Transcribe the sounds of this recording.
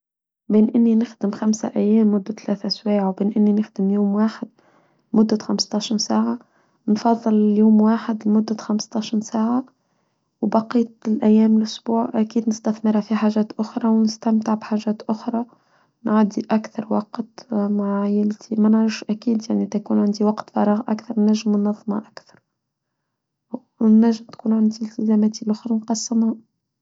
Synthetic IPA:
beːnʔɪnːinɪxd̪ɪmxamsaʔæjːæːmːʊd̪ːat̪læːθʔswæːʕwbeːnʔɪnːinɪxd̪ɪmjuːmwaːħɪd̪̥̚ | mʊd̪ːaxamst̪ˤɑʃinsaːʕa | nfɑðˤːɨlljuːmwaːħɪd̪lmʊd̪ːaxamst̪ˤɑʃinsaːʕa | wbɑqiːt̪lʔæjːæːmɪlʔʊsbuːʕʔækiːd̪nɪst̪æθmɪɾhafiħaːʒæːt̪ʔʊxɾˤɑwnɪst̪æmt̪ɪʕbħaːʒæːt̪ʔʊxɾˤɑ | nʕad̪ːiʔækθɑɾˤwɑqt̪maʕajɪlt̪ʰimænʕɾˤɑfʃʔækiːd̪jaʕniʔd̪ækuːnʕɪnd̪iwɑqt̪fɑ̰ɾˤɑːɣʔæ̰kθɑɾˤnːæʒːɪmnːɑðˤːmha̰ʔækθɑɾˤ | nːæʒːɪmt̪kuːnʕand̪ilt̪ɪzæmæːt̪ilʔʊxɾˤɑnqɑsːəmha

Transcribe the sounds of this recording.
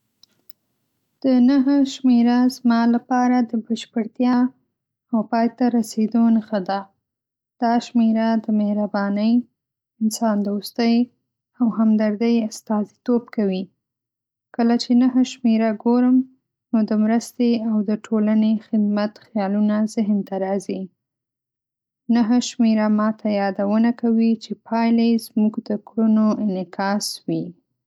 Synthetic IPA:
d̪̥ənaɦəʃmeɾazmɑlapɑɾad̪əbəʃpəɽt̪jɑː | wpɑjt̪aɾased̪onxəd̪a | d̪̥ɑʃmeɾad̪əmehɾabɑnəj | ɪnsɑnd̪əust̪əj | awhamd̪aɾd̪əjast̪ɑzit̪ob̚kawi | kəlat͡ʃenaɦəʃmeɾaɡoɾəm | nod̪əmɾəst̪eawd̪əʈʰolanexɪd̪mat̪xjɑlunazɪɦnt̪aɾɑzi | naɦəʃmeɾamɑt̪ʰajɑd̪awənakawit͡ʃepʰɑjlezmuɡd̪əkɽunoɪnɪkʰɑswi

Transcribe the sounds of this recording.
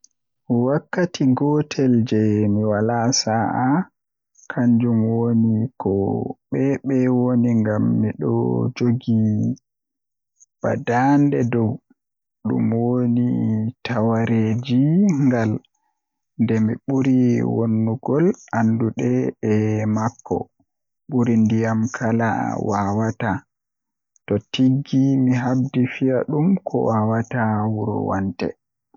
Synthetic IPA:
miwakːatʰiɡɔtʰɛld͡ʒɛmiwalasaʔa | kʰaɲd͡ʒumwonikɔɓɛɓɛwoniŋɡamːiɗɔ̰d͡ʒoɡi | b̥a̰dandɛdɔw | ɗṵmwonitʰawaɾed͡ʒiŋɡal | ndɛmḭɓuɾiwonːuɡɔlanduɗɛɓɛmakːɔ̰ | ɓuɾindijamkʰala̰wawata | tɔtiɡːimiɦab̚difijaɗumkʰɔ̰wawatawuɾṵwa̰ntɛ̰

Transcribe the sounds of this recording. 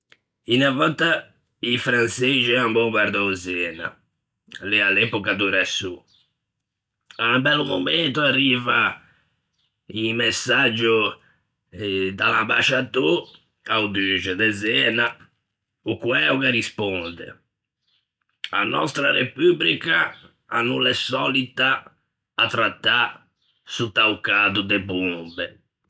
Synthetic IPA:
inavɔt̪ːa | ifɾant̪sed͡ʒiambɔbaɾd̪ɔwzɛːna̰ | lɛalːɛpɔkad̪uɾasːu | aumbɛlːumo̰ment̪oarːiːva | imesːad͡ʒːu | d̪a̰lamba̰ʃat̪u | awd̪yd͡ʒɛd̪ɛzɛːna | ukwɛuɣarispɔnd̪ɪ̰ | a̰nɔ̰st̪ɾarḛpyblika | a̰nːulːɛsɔlit̪a | at̪ːɾat̪ːa | sut̪ːawkaːd̪ud̪ebunbɛ

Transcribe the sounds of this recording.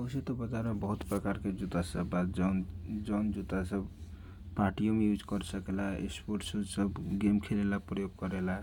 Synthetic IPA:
əset̪ɔbəd͡ʒaɾmebəɦut̪pɾəkaɾked͡ʒut̪asəbad͡ʒnd͡ʒɔnd͡ʒut̪asəb | paɾʈijomejud͡ʒkəɾsəkelaḛspoɾʈsud͡ʒsəbɡemkʰelelapɾəjoɡkəɾela

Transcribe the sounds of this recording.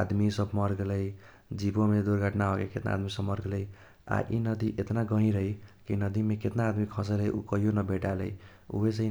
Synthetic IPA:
ad̪misʌbmʌɾɡlʌj | d͡zibomed̪uɾɡʱʌʈnaɦokeket̪na̰a̰d̪misʌbmʌɾɡlʌj | a̰ʔḭnʌd̪iʔet̪naɡʌɦĩɾʌjkinʌd̪imeket̪naːd̪mikʰʌsʌɾʌɦiʔukʌɦijonʌbeʈalʌj | ṵbesʌ

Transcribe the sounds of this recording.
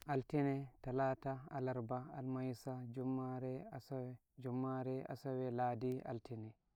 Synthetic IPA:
ʔaltinɛtalaːtaalaɾbaalmajsad͡ʒumːaɾɛ | d͡ʒumːaɾɛa̰sawɛlaːdia̰ltʰinɛ

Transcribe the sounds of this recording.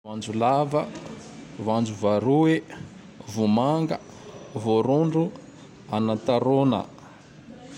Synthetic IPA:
vand͡zulavə | vand͡ʒuvaɾue | vumaŋɡə̰ | voɾuɳɖ͡ʐu | anat̪aɾonə̰

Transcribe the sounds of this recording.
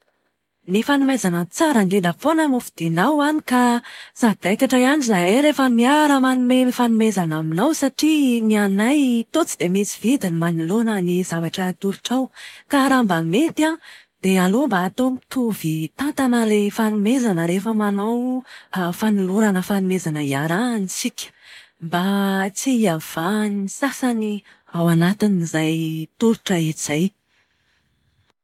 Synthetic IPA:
nifanumezanət͡saɾənelafonəmufid̪̥inawanikasad̪̥ajkaʈ͡ʂajanizaɾefəmiaɾəmanumefanumezanaminawsaʈ͡ʂinianajt̪ot͡sid̪̥emisi̥v̥id̪inimanulonənizavaʈ͡ʂət̪uɾuʈ͡ʂawkaɾambamet̪a | d̪̥ealombaːt̪omt̪uvit̪ant̪anəlefanumezanəɾefəmanaw | fanuluɾanəfanumezanəiaɾanisikʲə̥ | mbat͡siav̥aniisasani | awanat̪iniizajt̪uɾuʈ͡ʂəiz̥aj

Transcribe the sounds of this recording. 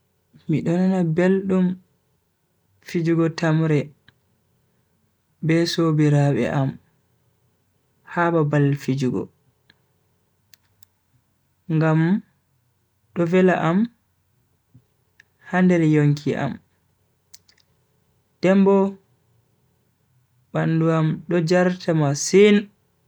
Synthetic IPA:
miɗɔnanabelɗum | fid͡ʒuɡɔtʰamɾɛ | bɛsobiɾaɓɛ̰ʔam | haːbabalfid͡ʒuɡɔ̰ | ŋɡam | ɗɔvɛlaʔam | handɛɾɛjoŋkʰiʔa̰m | d̥ɛmbɔ | banduamɗɔd͡ʒaɾtʰamasin

